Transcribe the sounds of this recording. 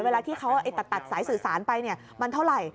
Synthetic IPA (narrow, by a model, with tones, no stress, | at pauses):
weː˧laː˧t̪ʰiː˥˩kʰa˦˥wʔa˧˩jt̪a˨˩k̪̚t̪a˨˩t̪̚saː˩˦jsɯː˨˩saː˩˦npa˧jni˥˩ɐ | ma˧nt̪ʰa˥˩wɾa˨˩j